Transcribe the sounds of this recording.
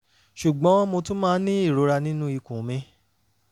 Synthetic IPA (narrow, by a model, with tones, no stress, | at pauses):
ʃu˨ɡ͡bɔ̃˨˦mo˧tũ˦mãː˦nĩ˦i˦˨ɾo˨˦ɾa˧nĩ˦nũ˦i˧kũ˨mĩ˧